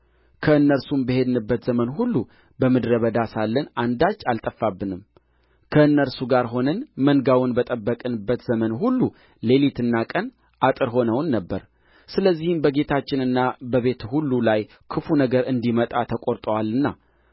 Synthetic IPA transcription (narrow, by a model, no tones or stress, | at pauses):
kʰəɨnːəɾsumbəɦe̞d̪ɨnɨbːət̪zəmənhulːu | bəmɨd̪ɾəβəd̪asalːənand̪at͡ʃːalt̪ʼəfːabːɨnɨm | kʰəɨnːəɾsuɡaɾɦo̞nənməŋɡawʊnbət̪ʼəbːəkʼɨnɨbːət̪zəmənɦulːu | le̞lit̪ɨnːakʼən | ʔat̪ʼɨɾɦo̞nəwnːəbːəɾ | sɨləzːihɨmbəɡe̞t̪ʰat͡ʃːɪnɨnːabəβe̞t̪hulːulaj | kʰɨfunəɡəɾɨnd̪imət̪ʼat̪ʰəkʼoɾt̪ʼəwalːɨnːa̰